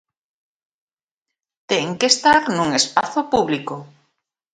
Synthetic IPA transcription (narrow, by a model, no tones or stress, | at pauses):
t̪eŋkest̪aɾnũŋespaθopuβliko